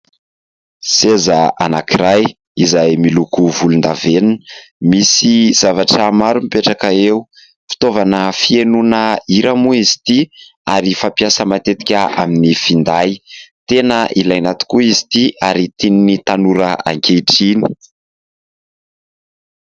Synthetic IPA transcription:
sezaʔa̰nakiɾaj | izajmilukuvulund̪aveninmisiz̥avaʈ͡ʂəmaɾumipeʈ͡ʂakəeu | fi̥t̪ovanəfienunəiɾamuizi̥t̪i | aɾifapijasəmat̪et̪i̥kʲəaminifind̪ajt̪enəʔilajnat̪i̥kuizi̥t̪iaɾit̪ininit̪anuɾəa̰ŋkʲeʈ͡ʂini̥

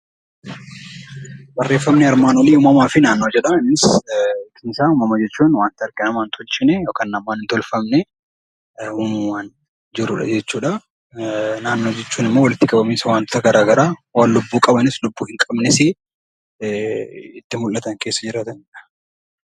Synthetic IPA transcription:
bɐrːe̞ːfːɐmnɛɐɾmaːnoleʊːmɐmaːfɪnaːnːoːd͡ʒɛᶑɐɪnːɪskʰɪnsaːʊmɐmɐd͡ʒɛt͡ʃːuːnwaːnt̪ɪɐɾɡɪnɐmaːnt̪ɔlt͡ʃɪnɛjoːkanːɐmːaːnɪnt̪ɔlfɐmnɛ | ʊmɐmʊwaːn | d͡ʒɪɾʊᶑɐ̰d͡ʒɛt͡ʃːuːᶑɐ | naːnːo̞ːd͡ʒɛt͡ʃːuːnɪmːowɐlɪt̪ːɪkʼɐbɐmeːsɐwaːnt̪ʰɐɡɐɾaːɡɐɾaːwaːnlʊbːuːkʼɐbɐnɪslʊbːuːhɪŋkʼɐbnɪsɪ | ɪt̪ːɪmʊlːɐt̪ɐŋke̞ːsːɐd͡ʒɪɾaːt̪ɐnᶑɐ̥

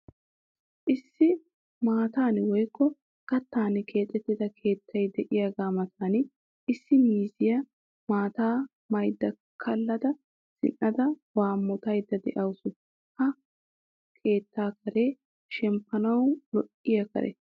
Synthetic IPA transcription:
ʔɪsːɪ | maːt̪aːnwɔjkːɔ | kɐt̪ːaːnɪkʰe̞ːt̪ʼːɛt̪ːɪd̪ɐkʰe̞ːt̪ːɐjd̪ɛʔɪjaːɡaːmɐt̪ʰaːn | ʔɪsːɪmiːzɪjɐ | maːt̪aː | mɐjd̪ːɐ | kʰɐlːɐd̪ɐ | sɪ̰nːɐd̪ɐwaːmːɔt̪ɐjd̪ːɐd̪ɛ̰ʔɐwsʊ | hɐ | kʰe̞ːt̪ːaːkɐɾeː | ʃɛmpːɐnɐwlɔʔɪjɐkɐ̰ɾɛ̰

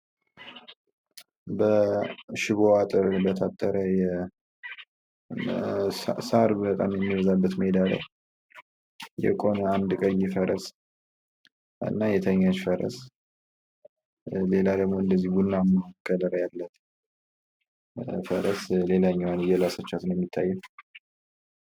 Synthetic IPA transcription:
bəʃɪβoat̪ʼɨɾbət̪ʰat̪ʼːəɾəjɛ | saɾbət̪ʼa̰mjɛmːiβəzabːət̪med̪alə̰ | jɛ̰kʼo̞nəand̪kʼəjːifəɾəs | ɨ̰nːajɛt̪ʰəɲːat͡ʃfəɾə̰s | le̞lad̪əɡmoɨnd̪əzːihbunːaməkːələɾəjalːət̪ | fəɾəsle̞laɲːwanjɛlasət͡ʃːat̪ɨnjɛmːit̪ʰːajːɛ

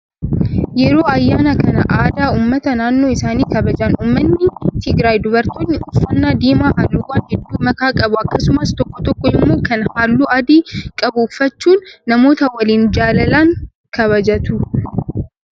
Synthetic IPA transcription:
jɛɾo̞ːɐjːaːnɐkɐnɐ̰ʔaːd̪aːuːmːɐt̪ɐnaːnːo̞ːɪsaːniːkɐbɐd͡ʒɐnʔuːmːɐnːɪt̪ɪɡɾaːjd̪ʊbɐɾt̪oːnːɪʊfːɐnːaːd̪iːmaːhaːlːuːwaːnd͡ʒɪd̪ːuːmɐkaːkʼɐbʊɐkːɐsʊmɐst̪ɔkːɔt̪ɔkːɔɪmːoːkɐnhaːlːuːɐd̪iːkʼɐbʊːfːɐt͡ʃːuːnːɐmo̞ːt̪ɐwɐliːnd͡ʒaːlɐlaŋ | kɐβɐd͡ʒɐt̪ʊ

